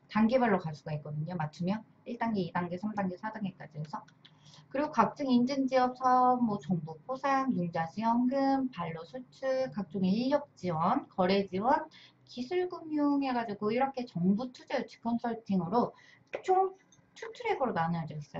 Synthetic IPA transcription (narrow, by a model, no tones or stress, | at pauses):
taŋɡebaɭːokaɭs͈uɡaik̚k͈ʌdɯɲomat͡ɕʰɯmjʌn | iɭt͈aŋɡeidaŋɡesʰamdaŋɡesʰadaŋek͈ad͡ʑiesʰʌ | kɯɾiɡokak̚t͡ɕ͈ɯŋind͡ʑɯnd͡ʑiʌp̚sʰʌmːwʌt͡ɕʌŋbupʰosʰaŋjund͡ʑaɕʰiwʌŋɡɯmpaɭːosʰut͡ɕʰɯkak̚t͡ɕ͈oŋeiʎjʌp̚t͡ɕ͈iwʌnkʌɾe̞d͡ʑiwʌn | kisʰuɭɡumjuŋe̞ɡad͡ʑiɡoiɾʌkʰe̞t͡ɕʌŋbutʰud͡ʑet͡ɕʰi̥kʰʌnsʰʌɭtʰiŋɯɾo | t͡ɕom | t͡ɕʰutʰuɾe̞ɡɯɾonanɯad͡ʑʌis͈ʌ